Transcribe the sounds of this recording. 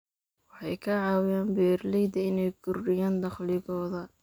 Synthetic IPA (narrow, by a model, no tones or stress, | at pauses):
wɑħɑjkʰɐʕɑːwɪjaːnbɛːrlɛjd̪ɐɪnɛjɡʊrɖɪjaːnd̪ɑχlɪɣɔːðɐ